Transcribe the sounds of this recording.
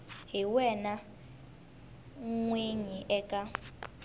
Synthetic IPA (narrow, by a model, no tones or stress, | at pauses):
ɦiwɛna | ŋweɲiʔɛkʼa